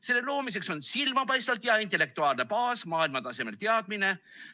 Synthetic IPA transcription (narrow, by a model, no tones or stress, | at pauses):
se̞lːe̞lo̞ːmis̬e̞kso̞nsilmɑpɑjst̪vɑlt̪jɑint̪ˑe̞lːe̞k̚t̪uɑːlne̞pɑːsmɑːilmɑt̪ɑse̞me̞lt̪eɑd̪̚mine̞